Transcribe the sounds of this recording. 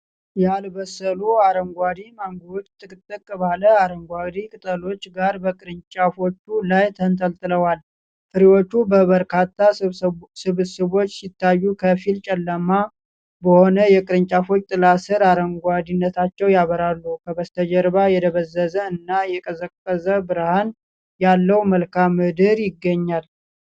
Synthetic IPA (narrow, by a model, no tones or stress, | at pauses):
jalbəsːəluaɾəŋɡʷad̪imaŋɡod̪t̪ʰʼːɨkʼɨt̪ʼːɨkʼːbaləaɾəŋɡʷaɡd̪ikʼɨt̪ʼəlo̞t͡ʃːɡaɾbəkʼɨɾɨɲt͡ʃʼafo̞t͡ʃːulajt̪ʰənt̪ʰəlt̪ʼɨləwal | fɨɾiwo̞t͡ʃːubəβəɾkʰat̪ʰːasɨβsɨβo̞t͡ʃːsit̪ʰːajːukʰəfilt͡ʃʼɛlːəma | bəho̞nəjɛkʼɨɾɨɲt͡ʃʼafo̞t͡ʃʼːt̪ʼɨlasɨɾaɾəŋɡʷad̪inːət̪ʰat͡ʃːɛwjaβəɾalːukʰəbəst̪ʰəd͡ʒəɾβajɛd̪əβəzːəzəɨnːajɛkʼəzəkʼːəzəbɨɾhan | jalːəwməlkʰamːɨd̪ɨɾjɪɡːəɲːal